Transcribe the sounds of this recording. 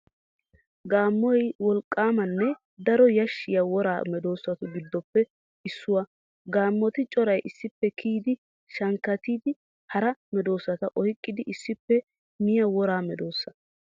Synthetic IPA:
ɡaːmːɔjwɔlkʼːaːmɐnːɛ | d̪ɐɾɔjɐʃːɪjɐwɔɾa̰ːmɛd̪o̞ːsɐt̪ʊɡɪd̪ːɔpːɛ | ɪsːʊwɐ | ɡaːmːɔt̪ɪt͡ʃʼɔɾɐjʔɪsːɪpːɛkʰiːd̪ɪ | ʃɐŋkːɐt̪iːd̪ɪ | hɐɾɐmɛd̪o̞ːsːɐt̪ɐʔɔjkʼːɪd̪ɪʔɪsːɪpːɛ | mɪjɐwɔɾaːmɛd̪o̞ːsːɐ

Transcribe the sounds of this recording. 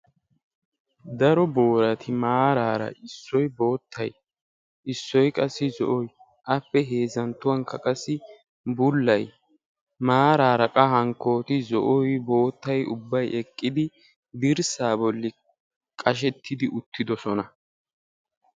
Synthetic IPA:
d̪ɐɾɔbo̞ːɾɐt̪ʰɪmaːɾaːɾɐ̰ʔɪsːɔjbo̞ːt̪ʰːɐj | ʔɪsːɔjkʼɐsːɪzɔ̰ʔɔj | ʔɐpːɛɦe̞ːzɐnt̪ːʊwɐŋkːɐkʼɐsːɪ | bʊlːɐj | maːɾaːɾɐkʼɐhɐŋkːo̞ːt̪ɪzɔʔɔjbo̞ːt̪ːɐjʊbːɐjɛkʼːɪd̪ɪ | d̪ɪɾsaːbɔlːɪ | kʼɐʃ̬ɛt̪ʰːɪd̪ɪʔʊt̪ːɪd̪ɔsɔnɐ

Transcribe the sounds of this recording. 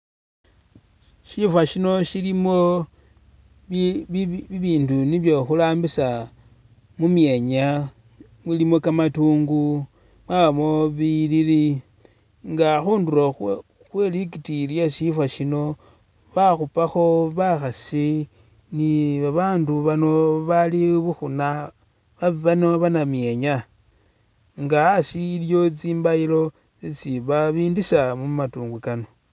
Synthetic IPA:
ʃifwaʃino̞ʃilimo̞ | βiβiːnduniβjo̞xulaːmbisa | mumje̞ɲa | mwilimo̞kamatuːŋɡu | mwaβamo̞βiliɾi | ŋɡaxuːnduɾo | xwelikitiljaʃifwaʃino̞ | βaxupaxo̞βaxasi | niβaβaːnduβano̞βaliβuxuna | βaβanoβanamje̞ɲa | ŋɡaːsiːljo̞t͡siːmbailo̞ | it͡siβaβiːndisamumatuːŋɡwukano̞

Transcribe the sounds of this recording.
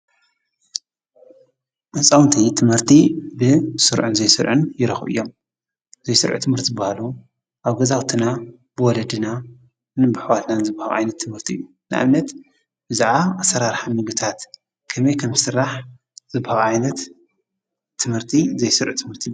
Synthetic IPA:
ʔɨsʼawnt̪ʰit̪ʰɨmhɨɾt̪ʰibɨsɨɾʕunzɐjsɨɾʕɨnjɪɾɐxβɨ̰jːo̞m | z̥ɐjsɨɾʕṵt̪ʰɨmhɨɾt̪ʰzɨbːahalu | ʔaβɡɐzawt̪ʰina | b̥ɨwɔlɐd̪ɨna | nɨbɨħwat̪nanzɨbahaɣʕa̰jnɐt̪ʰːɨmhɨɾt̪ʰiʔɨ̰jːu | nɨʔa̰mnɐt̪ | bɨzaʕaʔasːɐɾaɾħamɨɡɨt̪ʰat̪ | kʰɐmɐjkʰɐmzɨsɨrːaħ | z̥ɨbːahaɣʕajnɐt̪ | ɨmhɨɾt̪ʰizɐjsɨɾʕut̪ʰɨmhɨɾt̪ʰi

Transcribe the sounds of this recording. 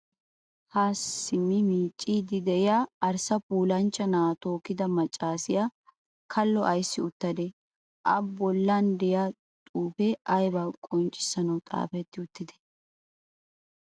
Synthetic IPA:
haːsɪmːɪmiːt͡ʃʼːiːd̪ɪd̪ɛɪjaɐɾsɐpuːlɐnt͡ʃːɐnaːt̪o̞ːkɪd̪ɐmɐt͡ʃʼːaːsɪja | kʰɐlːɔʔɐjsːɪʊt̪ːɐd̪ɛ | ʔɐbɔlːaːnd̪ɛjaː | t̪ʼuːfɛʔɐjbaːkʼɔnt͡ʃʼːɪ̥sɐnɐwt̪ʼa̰ːfɛt̪ːɪʊt̪ːɪd̪ɛ̥

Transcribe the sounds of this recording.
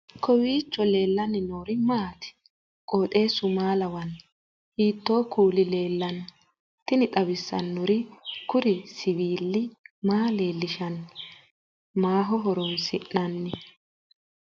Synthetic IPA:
kʰɔwiːt͡ʃːɔle̞ːlːɐnɪnoːɾɪmaːt̪ɪ̥ | kʼoːt̪ʼe̞ːsʊmaːlɐwɐn | hiːt̪ːo̞ːkuːlɪle̞ːlːɐn | t̪ɪnɪt̪ʼɐbɪsːɐ̰nːɔɾɪkʊɾɪsɪbiːlːɪmaːle̞ːlːɪʃɐn | maːɦɔɦɔɾɔnsɪʔɐnːɪ

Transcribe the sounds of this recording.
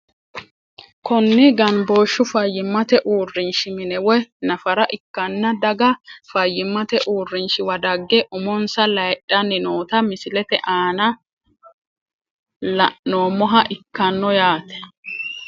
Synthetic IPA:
kɔnːɪɡɐnboːʃːʊfɐjːɪmːɐt̪ɛʔuːrːɪnʃɪmɪnɛwɔjnɐfɐɾɐʔɪkːɐnːɐd̪ɐɡɐfɐjːɪmːɐt̪ɛʔuːrːɪnʃɪwɐd̪ɐɡːɛʔʊmɔnsɐlɐjɗɐnːɪnoːt̪ɐmɪsɪlɛt̪ɛʔaːnɐ | lɐʔnoːmɔɦɐʔɪkːɐnːɔjaːt̪ɛ̥

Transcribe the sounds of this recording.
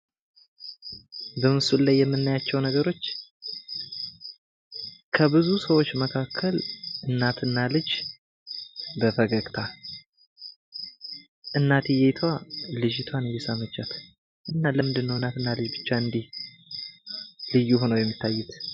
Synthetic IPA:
bəmɨsullːajːɛmːɨnːajat͡ʃːɛwnəɡəɾo̞t͡ʃː | kʰəbɨzusəwo̞t͡ʃːməkʰakʰːəlʔɨnːat̪ʰɨnːalɨd͡ʒ | bəfəɡəɡt̪ʰa | ʔɨnːat̪ijet̪ʰwalɨd͡ʒɪt̪ʰwanɨjːɛsəmət͡ʃːat̪ʰ | ʔɨnːaləmɨnd̪ɨnːəwɨnat̪ɨnːalɨd͡ʒbɨt͡ʃːaɨnd̪ih | lɨjːuho̞nəwjɛmːit̪ʰːajːɛt̪

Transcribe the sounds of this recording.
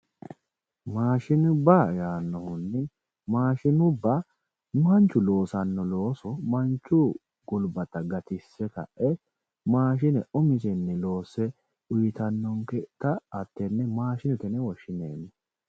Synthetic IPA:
maːʃɪnʊbajaːnːɔhʊnːɛ | maːʃɪnʊbːɐ | nʊhɐnt͡ʃːʊlo̞ːsɐnːɔlo̞ːsɔmɐnt͡ʃːʊ | ɡʊlbɐt̪ɐɡɐt̪ɪsːɛkɐ̰ʔɛ | maːʃ̬ɪnɛʊmɪsɛnːɛlo̞ːsɛ | ʊjɪt̪ɐnːɔŋkɛt̪ɐːt̪ːɛnːɛmaːʃɪnʊt̪ɛnɛwɔʃːɪneːnːɛ

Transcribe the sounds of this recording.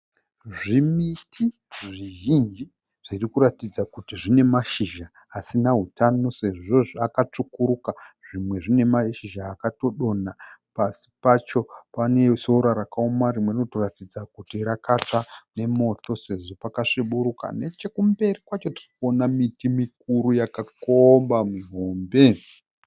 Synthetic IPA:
ʐimitʰi | ʐiʒind͡ʒi | ʐ̥irikuɾatid͡zakutiʐine̞maʃiʒaː | sinaɦutano̞se̞ʐo̞ʐakat͡ʂukuɾukaʐimweʐine̞maʃiʒaːkato̞ɗo̞napasi̥pat͡ʃo̞pane̞so̞ɾaɾakaomaɾimwe̞rino̞to̞ratid͡zakutirakat͡ʂane̞mo̞to̞se̞ʐo̞pakaʂiɓuɾuka̰ne̞t͡ʃe̞kumbe̞rikwat͡ʃotirikuonamitimik̚uɾujakakombamuɦo̞ːmbe̞

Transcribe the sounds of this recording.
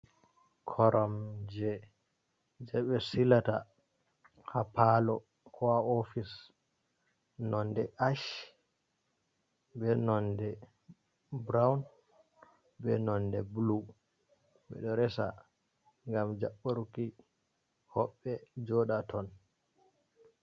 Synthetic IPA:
kʰɔɾʔɔmd͡ʒɛ | d͡ʒɛɓɛsilata | hapalɔ | kʰɔaɔfis | nɔndɛʔaʃ | bɛnɔndɛ | bɾawn | bɛnɔndɛblu | ɓɛ̰ɗɔɾɛsa̰ | ŋɡamd͡ʒaɓːoɾuki | hɔɓːɛd͡ʒɔɗatʰɔn

